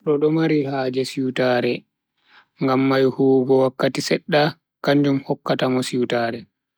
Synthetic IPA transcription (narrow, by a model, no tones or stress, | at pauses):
ɗɔɗɔmaɾihaːd͡ʒɛsiwtaɾɛ | ŋɡamːajhuːɡɔwakːatisɛɗːa | kaɲd͡ʒumhɔkːatamɔsiwtaːɾɛ